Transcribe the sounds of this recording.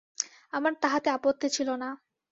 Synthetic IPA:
amaɾt̪aɦat̪eapot̪ːit͡ɕʰilona

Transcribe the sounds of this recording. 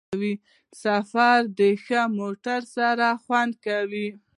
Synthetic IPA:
wi | safaɾd̪əxəmoʈaɾsaɾaxwand̪̚kawi

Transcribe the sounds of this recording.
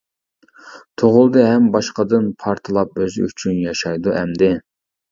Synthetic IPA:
t̪ʰoʁʊlˠd̪ɨɦɛmbɑʃqəd̪ɨnpʰɑɾt̪ʰɨlˠɑp̚øzy̰t͡ʃʰynjɑʃɑjd̪uʔɛmd̪ɪ

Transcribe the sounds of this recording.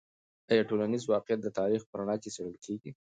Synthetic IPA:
ajɑʈolanizwɑqjat̪̚d̪ət̪ɑɾixpəɾaɳɑkesaɽəlkʰeɡi

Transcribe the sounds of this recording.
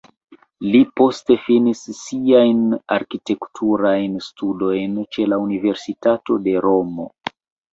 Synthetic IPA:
lipo̞ste̞finisːiajnaɾkite̞ktʰuɾajnstudo̞jnt͡ʃe̞launive̞ɾsitato̞de̞ɾo̞mo̞

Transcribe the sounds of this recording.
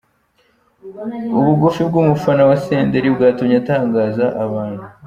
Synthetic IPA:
uβuɡufibɡuːmufanawaseːndeɾibɡaːtumɲataːŋɡaːzaʔaβaːnhu

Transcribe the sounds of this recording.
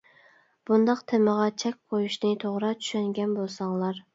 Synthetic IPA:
b̥und̪ɑqt̪ʰeməʁɑt͡ʃʰɛk̚ʲqʰojuʃnɪt̪ʰoʁɾɑt͡ʃʰy̥ʃɛnɡʲɛnbolˠsɑŋlˠɑɾ

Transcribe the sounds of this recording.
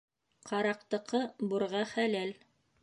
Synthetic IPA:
qʰɑɾɑq̚t̪ɤ̆qʰɤbuɾʁɑχælæl

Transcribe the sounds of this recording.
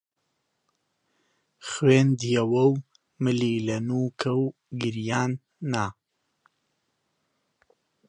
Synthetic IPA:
xweːnd̪ijɐwɐw | mɨliːlɐnuːkʰɐw | ɡɪɾjaːnː | a

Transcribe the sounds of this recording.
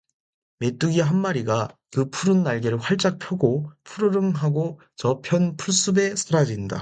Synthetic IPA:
me̞t͈uɡiɦanmaɾiɡakɯpʰuɾɯnːaɭɡeɾɯɭɸwaɭt͡ɕ͈ak̚pʰjʌɡopʰuɾɯɾɯmɦaɡo | t͡ɕʌpʰjʌnpʰuɭs͈ube̞sʰɯɾad͡ʑinda̰

